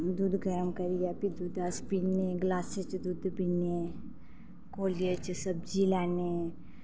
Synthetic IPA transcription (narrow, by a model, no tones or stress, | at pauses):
d̪uːd̪ɡɐɾəmkɐɾiapid̪uːd̪aspineɡlaːset͡ʃd̪uːd̪bine | koːlijet͡ʃsɐbd͡ʒilɛːne